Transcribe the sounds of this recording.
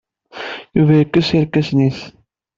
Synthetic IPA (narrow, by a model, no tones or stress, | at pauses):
juvæjəkːəsiɾkːæsniθ